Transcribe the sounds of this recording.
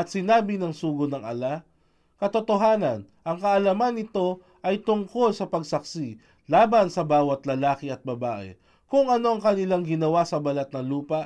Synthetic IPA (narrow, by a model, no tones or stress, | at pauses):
ɐt̪sɪnaːbɪnɐŋsuːɡonɐŋʔɐ̰la | kɐt̪ot̪oɦaːnɐn | ʔɐŋkɐʔɐlamanːɪt̪o̞ | ʔɐjt̪ʊŋko̞lsɐpɐɡsɐk̚si | laːbɐnsɐbaːwɐt̪lɐlaːkɪɐt̪̚bɐbaːʔɛ̰ | kʊŋʔɐno̞ɐŋkɐnɪlaŋɡɪnɐwasɐbɐlat̪̚nɐluːpɐ